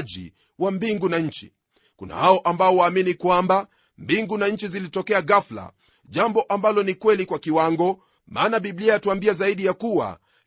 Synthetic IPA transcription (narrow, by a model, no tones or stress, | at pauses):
ʄḭ | wambiŋɡunaɲ̩t͡ʃḭ | kṵna̰haɔʔambaɔwaːminikwamba | mbiŋɡunaɲ̩t͡ʃizilitɔkɛaɣafla̰ | ʄambɔʔambalɔnikwɛlikwakiwaŋɡɔ | mʔa̰ːnaɓibliajatuambiazaiɗijakuwa̰